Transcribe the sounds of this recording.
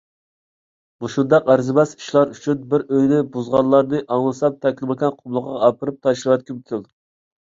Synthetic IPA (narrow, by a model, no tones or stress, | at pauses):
buʃund̪ɑqæɾzɪbɛsi̥ʃlˠɑɾyt͡ʃʰynbɪɾøjnɪbuzʁɑnlːˠɑɾnɨʔɑŋlˠɨsɑp̚t̪ʰɛkʲlɨmɪkʲɛnqʰʊmlˠəqːɑɑpʰɨɾɨp̚t̪ʰɑʃɾɨwɛt̪̚kʲybyt̪ʰɪl